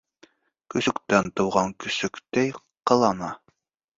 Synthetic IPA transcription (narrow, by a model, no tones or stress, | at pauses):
kɵ̆sɵ̆kt̪ænt̪ŏwʁɑŋkɵ̆sɵ̆kt̪æj | qɤ̆lˠɑnɑ